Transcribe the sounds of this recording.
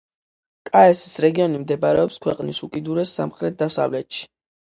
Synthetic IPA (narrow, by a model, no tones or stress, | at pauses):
kʼaɛsi̥sɾɛɡiɔnimd̪ɛbaɾɛɔpskʰwɛqʼnisukʼid̪uɾɛsːa̰mχɾɛt̪̚d̪asa̰vlɛt̪ʃi̥